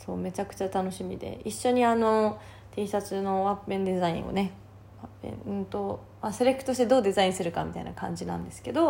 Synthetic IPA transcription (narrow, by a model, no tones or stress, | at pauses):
so̞ːme̞t͡ɕakɯ̟̥t͡ɕat̪ano̞ɕimʲḭd̪ḛiɕːo̞ɲ̟iano̞ | t̪e̞ːsat͡sɨno̞βapːẽ̞nd̪e̞zaḭ̃ɰ̃o̰ne̞ | βapːḛ̃ɴɯ̟̃nt̪o̞ | maseɾekːɯ̟t̪o̞ɕi̥t̪e̞d̪o̞ːd̪e̞zaĩɰ̃sɨɾɯ̟kamʲit̪a̰ḭnakã̰ɲ̟d͡ʑinã̰nd̪e̞sɨ̥ke̞d̪o̞